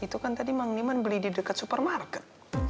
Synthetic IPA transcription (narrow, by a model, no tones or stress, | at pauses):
it̪ukant̪adimaŋnimanbəlididəkat̪̚supərmarkɛt̪̚